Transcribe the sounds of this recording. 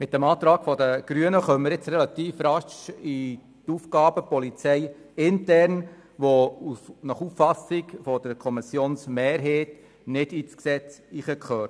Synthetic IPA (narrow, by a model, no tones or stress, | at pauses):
mɪt̚d̥ɛmɑːt̪ɾɑːɡ̥fɔdəɡ̥ɾyənəχœməɾɪt͡sɾɛlɑt̪iːfrɑʃi | tufɡɑːbəpɔlit͡sɛɪ | ɪntɛɾn | ʋounɑχufːɑsɪkfɔd̥əɾkʰɔmɪsjoːnsmeːɾɦeːt | nɪdiːt͡sksɛt͡siːχəkχøːɾt